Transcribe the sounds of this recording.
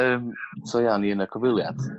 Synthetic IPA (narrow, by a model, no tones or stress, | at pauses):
əːmsʰɔjaniənəkʰɔvɪlˠja̰d